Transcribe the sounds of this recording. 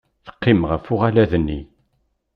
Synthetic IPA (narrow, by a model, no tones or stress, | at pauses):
θə̥qːimʁəfʊʁalæðənːi